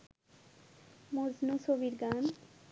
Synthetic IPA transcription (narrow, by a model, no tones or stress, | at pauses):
moznũsoʋiɾɡan